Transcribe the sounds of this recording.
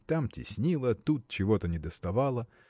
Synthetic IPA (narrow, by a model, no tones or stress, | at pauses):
t̪amtʲḭsʲnʲilˠɐt̪ut̪̚t͡ʃɪʋɔt̪ɐnʲɛd̪ɐst̪ɐʋɑlˠɐ